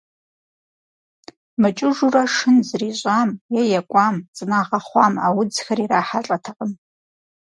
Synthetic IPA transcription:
mɨt͡ʃʼɪʐuraʂɨnzriɕʷʼamjajakʷʼamt͡sʼɨnaʁaχʷamawʊd͡zxariraħaɬʼatʰaqʼəm

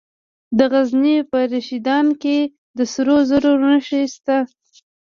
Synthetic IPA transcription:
d̪əɣaznipəɾaʃid̪ɑnke | d̪əsɾozəɾuɾnəʃest̪a

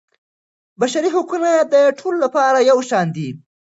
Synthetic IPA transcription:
baʃaɾiɦokunad̪əʈʰololapɑɾajawʃɑnd̪i

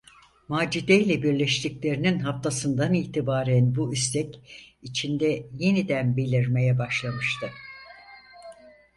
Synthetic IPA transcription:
maːd͡ʒid̪ejlʲɛbiɾlʲɛʃt̪ʰiclʲe̞ɾininɦaft̪ʰasɯnd̪aniːt̪ʰibaːɾænbuyst̪ʰɛcit͡ʃʰind̪ɛje̞nid̪ænbelʲiɾme̞jɛbaʃlˠamɯʃt̪ʰɯ

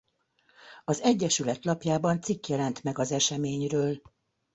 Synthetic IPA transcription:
ɒzɛɟːɛʃylɛt̪lɒpjaːbɒnt̪sikjɛlɛnt̪mɛɡɒzɛʃɛmeːɲrøːl

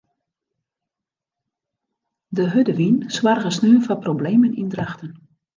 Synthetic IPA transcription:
dəɦødəʋinsʋarɣəsnyəfaprobleːmənindraxtən

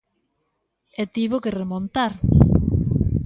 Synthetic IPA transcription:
et̪iβokeremõnt̪aɾ

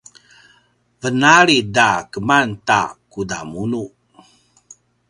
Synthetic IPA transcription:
vənaɾidakəmanta̰kuda̰munu

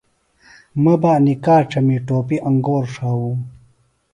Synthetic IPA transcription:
mɐbaːnikaːʈ͡ʂʰɐmiʈoːpiʔɐŋɡoːɾʂaːũː

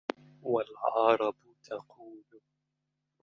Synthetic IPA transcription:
walʕɑɾˤɑb | t̪ʰɑquːl

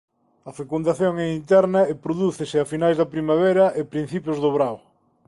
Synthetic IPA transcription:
ɐfekund̪aθjoŋɛint̪ɛɾnɐepɾoðuθesɪafinajzðɐpɾimaβ̞eɾɐʔɪpɾin̟θipjʊzðʊβɾaw

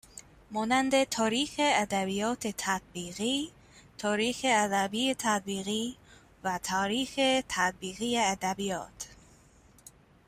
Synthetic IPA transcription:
mɒːnænd̪et̪ʰɒːɾiːxeæd̪æbijɒːt̪ʰet̪ʰæt̪̚biːɣiː | t̪ʰɒːɾiːxeæd̪æbiːet̪ʰæt̪̚biːɣiː | væt̪ʰɒːɾiːxet̪ʰæt̪̚biːɣiːjeæd̪æbijɒ̰ːt̪ʰ

